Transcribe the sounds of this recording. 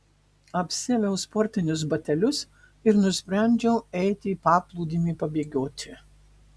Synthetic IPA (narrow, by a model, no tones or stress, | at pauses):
ɐpʲsʲɪɛlʲɛʊspɔɾʲt̪ʲɪnʲʊs̬bɐt̪ʲɛlʲʊs | ɪɾnʊsʲpʲɾʲæˑnʲd͡ʒʲɛʊɛɪt̪ʲɪːpɑːplˠuːd̪ʲiːmʲiːpɐbʲeːɡʲoːt̪ʲɪ